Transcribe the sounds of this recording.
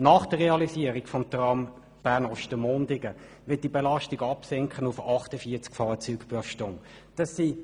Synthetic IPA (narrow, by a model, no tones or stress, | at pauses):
nɑːχd̥əʁʁeɑlisiəɾiɡfɔmtʁɑm | b̥æːnɔʃtəmondɪɡə | ʋɪt̚d̥ibelɑʃtiɡɑpsɛŋkʰχənufɑχtəfiːɐt͡skfɑːt͡syːkb̥ʊʃtʊŋ | d̥ɑsːi